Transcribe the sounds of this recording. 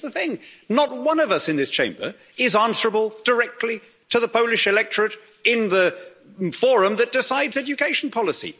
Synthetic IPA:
ðəθɪ̃ŋnət̚wʌ̃nʌvʌsɨ̃nðɪst͡ʃʰẽɪ̃mbə̰˞ | ɪzæ̃nsə˞əbəl̩ˠd̥ə˞ɛk̚tʰˡli | tʰɨðəpʰoʊlˠɨʃɨlɛk̚t͡ʃɹ̥ɨɾ | ɪ̃nðə | fɔɹɨ̃mðɨt̚d̥ɨsaɪdzɛd͡ʒɨkʰeɪʃn̩pʰɑlˠəsḭ

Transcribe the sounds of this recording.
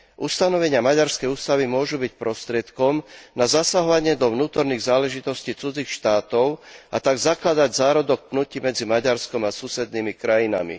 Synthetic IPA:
ʔust̪anɔʋɛɲɪamaɟaɾskɛjuːst̪aʋimʊɔʒubicpɾɔst̪ɾɪɛt̪kɔmnazasaɦɔʋaɲɪɛd̪ɔʋnuːt̪ɔɾniːɣzaːlɛʒit̪ɔsciːt͡sud͡zixʃt̪aːt̪ɔʊʔat̪aɡzaklad̪aɟzaːɾɔd̪ɔk̚pnucimɛd͡zimaɟaɾskɔmasusɛd̪nimikɾajina̰mḭ

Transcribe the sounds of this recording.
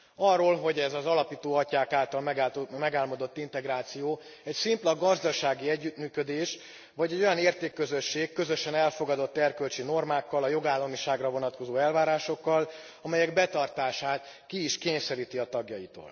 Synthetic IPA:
ɒrːoːlɦo̞ɟɛzɒzɒlɒpiːt̪oːɒcaːkaːlt̪ɒlmɛɡmɛɡaːlmod̪o̞t̪ːint̪ɛɡɾaːt̪sijoː | ɛcsimplɒɡɒzd̪ɒʃaːɡiɛɟːyt̪myːkød̪eːʃ | vɒɟɛɟo̞jɒneːrt̪eːkːø̞zøʃːeːkːø̞zø̞ʃɛnɛlfo̞ɡɒd̪o̞t̪ːɛrkølt͡ʃino̞rmaːkːɒlɒjo̞ɡaːlːɒmiʃaːɡrɒvo̞nɒt̪ko̞zoːɛlvaːɾaːʃo̞kːɒl | ɒmɛjɛɡbɛt̪ɒrt̪aːʃaːt̪ | kiːʃkeːɲsɛɾiːt̪iɒt̪ɒɡjɒjit̪o̰ːl

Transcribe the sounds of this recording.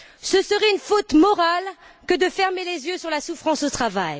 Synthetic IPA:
səsəʁɛynfot̪mɔʁalkəd̪əfɛʁmelezjøsyʁlasufχɑ̃sot̪χavaj

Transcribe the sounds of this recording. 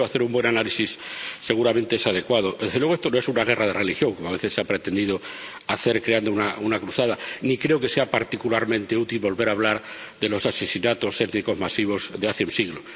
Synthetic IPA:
oaθe̞ɾumbwe̞nanalisisːe̞ɣ̞uɾamẽ̞nt̪eesað̞e̞kwaðoðezðlweest̪o̞no̞e̞sunaɣ̞e̞rað̞erelixjo̞ŋko̞moaβe̞θe̞sːeapɾe̞t̪e̞nd̪iðo | aθe̞ɾkɾeand̪ounaunakɾuθaðanikɾe̞oke̞se̞apaɾt̪ikulaɾmẽnt̪e̞ut̪ilβo̞lβe̞ɾaːβ̞laɾðe̞lo̞sase̞sinat̪o̞se̞t̪niko̞zmasiβ̞o̞zðeaθeunsiɣlo

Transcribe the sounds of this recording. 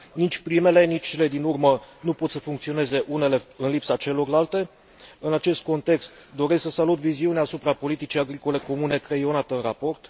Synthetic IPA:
nit͡ʃʲpɾime̞le̞nit͡ʃʲt͡ʃele̞d̪inurmənupo̞t̪səfuŋk̚t̪sio̞ne̞ze̞ʔune̞le̞ɨnlipsat͡ʃe̞lo̞rlalt̪e̞ | ɨnat͡ʃe̞st̪̚ko̞nt̪e̞kst̪d̪o̞ɾe̞sksəsalut̪viziuneaːsupɾapo̞lit̪it͡ʃijaɡɾiko̞le̞ko̞mune̞kɾejo̞nat̪eɨnrapo̞rt̪

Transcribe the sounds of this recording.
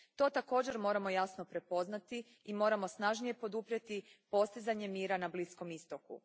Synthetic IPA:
t̪o̞ːt̪ako̞ːd͡ʑe̞ɾmo̞ːɾamo̞jasno̞pɾe̞po̞znat̪i | imo̞ːɾamo̞snaʒnije̞po̞d̪upɾjet̪ipo̞st̪izaɲe̞miːɾanablisko̞mist̪o̞kṵ

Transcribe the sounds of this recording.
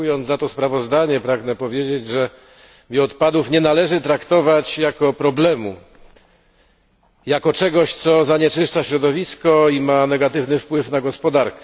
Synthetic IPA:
ujɔnzat̪ɔspɾavɔzd̪aɲɛpɾaɡnɛpɔvʲjed͡ʑed͡ʑʐɛ | mʲiɔt̪pad̪ufɲɛnalɛʐɘt̪ɾakt̪ɔvat͡ɕjakɔpɾɔblɛmṵ | jakɔt͡ʂɛɡɔɕt̪sɔzaɲɛt͡ʂɘʂt͡ʂaɕɾɔd̪ɔvʲiskɔimanɛɡat̪ɘvnɘfpwɘfnaɡɔspɔd̪aɾkɛ

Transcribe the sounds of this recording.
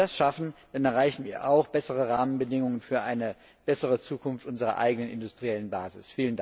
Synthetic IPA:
dasʃafn̩d̥anɛɐʁaɪçn̩viːɐʔaʊxb̥ɛsəʁəʁaːmənbədɪŋʊŋənfyːɐʔaɪnə | b̥ɛsəʁət͡suːkʰʊnftʔʊnzəʁɐ̰ʔa̰ɪɡənənʔɪ̰ndʊstʁ̥iɛlənbaːzɪsfiːlənda

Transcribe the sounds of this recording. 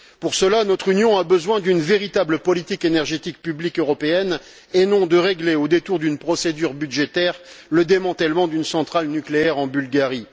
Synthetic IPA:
puʁsəlanɔt̪χynjɔ̃abəzwɛ̃d̪ynveʁit̪abləpɔlit̪ikenɛʁʒet̪ik̚pyblikøʁɔpeɛn | enɔ̃d̪əʁeɡleod̪et̪uʁd̪ynpχɔsed̪yʁbyd̪ʒet̪ɛʁləd̪emɑ̃t̪ɛlmɑ̃d̪ynsɑ̃t̪χalnykleɛʁɑ̃bylɡaʁi

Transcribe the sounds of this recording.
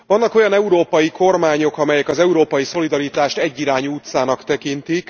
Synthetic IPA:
ʋvɒnːɒko̞jɒnɛuɾoːpɒjiko̞rmaːɲo̞kɒmɛjɛkɒzɛuɾoːpɒjiso̞lid̪ɒɾit̪aːʃt̪ɛɟːiɾaːɲuːt̪saːnɒkt̪ɛkint̪ik

